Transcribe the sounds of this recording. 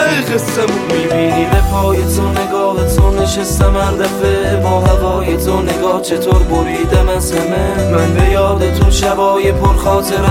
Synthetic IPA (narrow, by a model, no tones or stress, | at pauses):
ejɣesːemmiːbiːniːbepʰɒːjet̪ʰoneɡɒːhet̪ʰoneʃest̪emæɾd̪æfebɒːɦævɒːjet̪ʰoneɡɒːht͡ʃʰet̪ʰoɾboɾiːd̪æmæsmememænbejɒːd̪et̪ʰuʃævɒːjepʰoɾxɒːt̪ʰeɾ